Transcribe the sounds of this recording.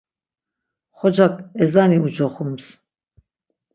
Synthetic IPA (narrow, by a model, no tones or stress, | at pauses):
χɔd͡ʒakʰʼɛzaniud͡ʒɔχums